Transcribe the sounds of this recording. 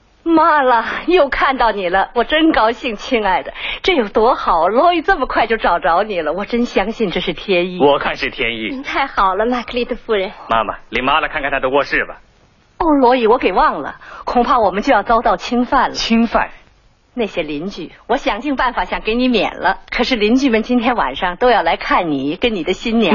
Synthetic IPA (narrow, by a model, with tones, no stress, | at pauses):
ma˥lə˨jo˥˧ʊkʰa˥˧nt̪ɑ˥˩ʊni˨˩lə˦wɔ˨˩ʈ͡ʂə˥nkɑ˥ʊɕi˥˩ŋt͡ɕʰi˥ŋa˥˩ɪd̪ə˩ʈ͡ʂɤ˥˧jo˨˩ʊt̪wɔ˥xɑ˨˩˦ʊlwɔ˧˥i˨˩t͡sə˥˩mə˩kʰwa˥˧ɪt͡ɕjo˥˩ʊʈ͡ʂɑ˨˩ʊʈ͡ʂɑ˧˥ʊni˨˩lə˦wɔ˨˩ʈ͡ʂə˥nɕjɑ˥ŋɕi˥˧nʈ͡ʂɤ˥˧ʂɻ̩˥˩t̪ʰjɛ˥ni˥˩wɔ˨˩kʰa˥˧nʂɻ̩˥˩t̪ʰjɛ˥nḭ˥˩i˧ŋt̪ʰa˥˩ɪxɑ˨˩ʊlə˦ma˥˩kʰli˥˩d̪ə˧fu˥˩ɻə˧˥nma̰˥ma̰˨li˧˥nma˥lə˨kʰnkʰa˥˩nt̪ʰa˥d̪ə˧wɔ˥˧ʂɻ̩˥˩bɐ̰˩ | o˥˩lwɔ˧˥i˧˩wɔ˧˥ke˨˩ɪwɑ˥˩ŋlə̰˩kʰʊ˨˩ŋpʰa˥˩wɔ˨˩mə˦nt͡ɕjjɑ˥˩ʊt͡sɑ˥ʊt̪ɑ˥˩ʊt͡ɕʰi˥ŋfa˥˩nlə˨t͡ɕʰi˥ŋfa̰˥˩n | na˥˩ɪɕjɛ˥li˧˥nt͡ɕy˥˩wɔ˧˥ɕjɑ˨˩ŋt͡ɕi˥˧ŋpa˥˩nfa˨˧˥ɕjɑ˨˩ŋke˧˥ɪni˧˥mjɛ̰˨˩nlʔə˦kʰɤ˨˩ʂɻ̩˥˩li˧˥nt͡ɕy˥˩mə˨nt͡ɕi˥nt̪ʰjɛ˥nwa̰˨˩nʂɑ˥˧ŋt̪o˥ʊjɑ˥˩ʊla˧˥ɪkʰa˥˩nni˨˩˦kə˥nni˨˩d̪ə˦ɕi˥nnjɛ˨˧˥